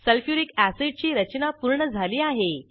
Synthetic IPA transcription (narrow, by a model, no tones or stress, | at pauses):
səlfjuɾikæsiɖt͡ɕiːɾət͡ɕnapuɾɳəd͡zʱaliːaɦe